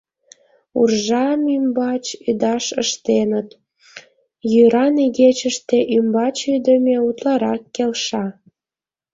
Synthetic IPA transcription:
ṵrʒɑmymbɑt͡ɕyd̪ɑʃəʃt̪enət̪ | jyɾɑniɣet͡ɕəʃt̪eʔymbɑt͡ɕyd̪əmeut̪lɑɾɑkːelʃɑ

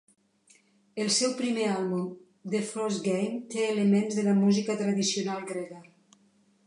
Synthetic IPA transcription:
əlˠsɛwpɾimealˠβum | d̪efɾɔzɡejmt̪eːlemenzðələmuzikət̪ɾəðisionalˠɡɾeɣə

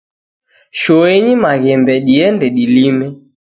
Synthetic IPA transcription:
ʃɔɛɲimaɣɛmbɛɗiɛndɛɗilimɛ

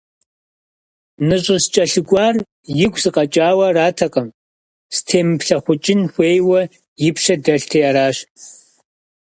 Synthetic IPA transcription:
nɨɕʷʼɪst͡ʃʼɐɬɨɡʷaːr | jɪɡʷzɨqʼɐt͡ʃʼaːwɐraːtʰɐqʼɐm | stʰeːmɨpɬɐχʷʊt͡ʃʼɪnxʷeːjwɐ | jɪpʰʂɐdɐɬtʰejaɾaːɕ

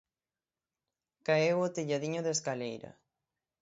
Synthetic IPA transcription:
kaewot̪iʎaðiɲoðeskalejɾɐ̰

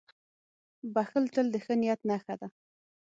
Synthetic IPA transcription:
baxəlt̪əld̪əxənijat̪naxad̪a

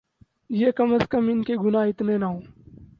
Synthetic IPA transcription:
jekɐməskəmɪnkeɡʊnaɪt̪nenɐɦõː

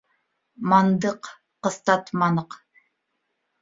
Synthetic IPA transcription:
mɑnd̪əqː | əst̪ɑt̪mɑnəq

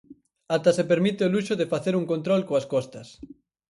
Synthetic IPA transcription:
at̪ɐsepeɾmit̪eoluʃʊðefaθeɾuŋkont̪ɾɔlkoɐskɔst̪ɐs

